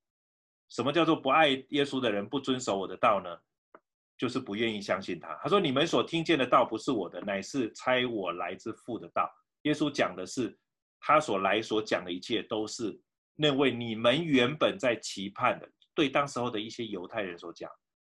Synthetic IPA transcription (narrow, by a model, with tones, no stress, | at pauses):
ʂə˧˥mə˧t͡ɕjɑ˥˧ʊt͡swɔ˥˩pu˧˦a˥˩ɪjɛ˥su˥d̪ə˨ɻə˧˦npu˥˩t͡swə˦nʂo˧˥ʊwɔ˨˩d̪ə˦t̪ɑ˥˩ʊnə˩ | t͡ɕjo˥˧ʊʂɻ̩˥˩pu˧˥ɥɛ˥˧ni˥˩ɕjɑ˥ŋɕi˥˩nt̪ʰa̰˦t̪ʰa˥ʂ̬wɔ˥ni˨˩mə˦nswɔ˨˩t̪ʰi˥ŋt͡ɕjɛ˥˩nd̪ə˩t̪ɑ˥˩ʊpu˧˦ʂɻ̩˥˩wɔ˨˩d̪ə˦na˨˩ɪʂɻ̩˥˧t͡sʰa˥ɪwɔ˨˩la˧˦˥ɪt͡sɹ̩˥˧fu˥˩d̪ə˩t̪ɑ̰˥˩ʊ | jɛ˥su˦˥t͡ɕjɑ˨˩ŋd̪ə˦ʂɻ̩˥˩ | t̪ʰa˦swɔ˨˩la˧˥ɪswɔ˧˥t͡ɕjɑ˨˩ŋd̪ə˦i˧˥t͡ɕʰjɛ˥˩t̪o˥ʊʂɻ̩˥˩ | na˥˧we˥˩ɪni˨˩mə˧˦nɥɛ˧˥npə˨˩nt͡sa˥˩ɪt͡ɕʰi˧˥pʰa˥˨˩nd̪ə̰˩t̪we˥˩ɪt̪ɑ˥ŋʂɻ̩˧˥xo˥˩ʊd̪ə˩i˥˩ɕjɛ˥jo˧˥ʊt̪ʰa˥˩ɪɻə˧˦nswɔ˧˥t͡ɕjɑ̰˨˩ŋ